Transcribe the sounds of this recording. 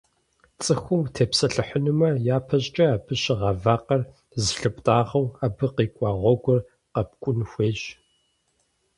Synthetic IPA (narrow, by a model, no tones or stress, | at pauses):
t͡sʼɨxʷʊmtʰeːpsɐɬɨħənɨmɐjaːpʰɐɕʼt͡ʃʼɐaːbʰɨɕɪʁɑvaːqɐr | zɬɨpʼtʼaːʁɐwabɨqiːkʷʼɑːʁʷɔɡʷʊr | qɐp̚kʷʼʊnxʷeːɕ